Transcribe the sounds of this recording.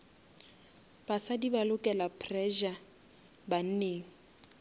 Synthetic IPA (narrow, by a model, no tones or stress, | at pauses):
b̥asadibalʊkʼɛlapʰrɛʒa | ban̩neːŋ̩